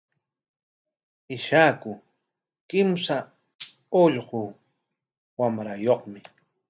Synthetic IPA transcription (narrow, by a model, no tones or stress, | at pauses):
ɪʃaːkʊ | kɪmsa | oʎɢʊ | wamɾajoχmɪ